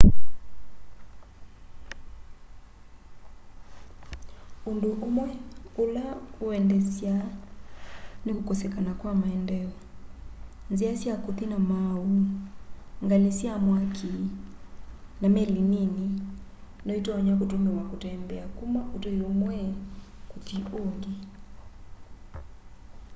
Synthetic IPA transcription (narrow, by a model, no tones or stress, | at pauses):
ondoʔomwɛulauɛndɛsja | nikukɔsɛkanakwamaɛndɛɔ | nziasiakuθinamau | ŋɡanesjamwakʰi | namɛlinini | nɔitɔːɲakotumewakotɛmbɛakumaʔotoiomwɛkotioŋɡi